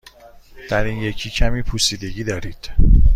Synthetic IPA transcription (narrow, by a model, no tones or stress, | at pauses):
d̪̥æɾiːnje̞cʰiːcʰæmiːpʰusiːd̪e̞ɟiːd̪ɒːɾiːd̪̥